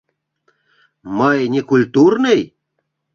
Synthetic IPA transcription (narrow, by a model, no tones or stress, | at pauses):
məjnʲekulʲt̪urnɨj